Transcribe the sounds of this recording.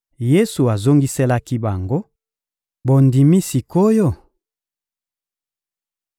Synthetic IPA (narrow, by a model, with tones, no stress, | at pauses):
je˦su˨a˨zo˦ŋɡi˦se˦la˦ki˦ba˨ŋɡo˦ | bo˨ndi˨mi˦si˨ko˦jo˦˨